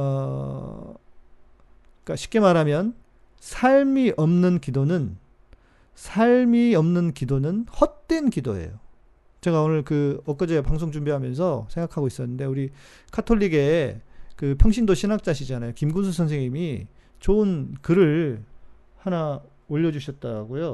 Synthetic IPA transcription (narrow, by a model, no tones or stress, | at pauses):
ʌ | k͈aɕʰi̥p̚k͈e̞maɾamjʌn | sʰaɭmiʔʌmnɯnkidonɯn | sʰaɭmiʌmnɯnkidonɯnhʌt̚t͈we̞nkidoe̞̰jo̰ | t͡ɕe̞ɡaonɯɭkɯʌk͈ʌd͡ʑepaŋsʰoŋt͡ɕumbiɦamjʌns̬ʰʌsʰeŋɡakʰaɡois͈ʌnːɯnde̞uɾi | kʰatʰoʎːiɡe̞kɯpʰjʌŋɕ̬ʰindoɕʰinak̚t͡ɕ͈aɕʰid͡ʑanajokimɡunsʰusʰʌns̬ʰeŋɲimit͡ɕoɯnkɯɾɯɭ | hana | oʎːʌd͡ʑuɕʰʌt̚t͈aɾɡojo